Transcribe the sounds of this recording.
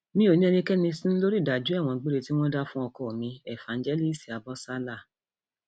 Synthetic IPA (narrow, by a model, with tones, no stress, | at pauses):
mĩ˦o˨nĩ˦ɛ˧nĩ˧kɛ˦nĩ˧sĩ˦n̩˦lo˦ɾi˦˨da˨d͡ʒu˦ɛ˦˨w̃ɔ̃˧ɡ͡be˦ɾe˧ti˦w̃ɔ̃˦da˦fũ˦ɔ˧kɔ˦˨mĩ˧ɛ˨fã˨˦n̩˦d͡ʒɛ˦li˦˨si˨a˨bɔ˦sa˦la˦˨